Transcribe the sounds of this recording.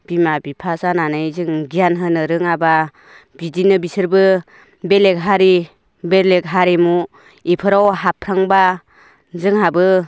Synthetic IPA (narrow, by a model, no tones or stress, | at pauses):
b̥imabipʰasananɯjzɯŋɡijanɦɯnɯɾɯŋaba | bidinɯbisɯɾbɯ | belek̚ɦaɾi | belekɦaɾimu | ipʰɯɾawɦapʰɾaŋba | zɯŋɦabɯ